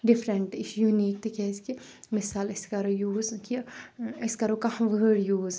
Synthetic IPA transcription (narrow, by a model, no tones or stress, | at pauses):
ɖɪfɾɐɳʈiʃjuniːk̚t̪ikʲɛski | mɪsaːlɐskɐɾojuːzkiɐskɐɾokahʋəɖjuːz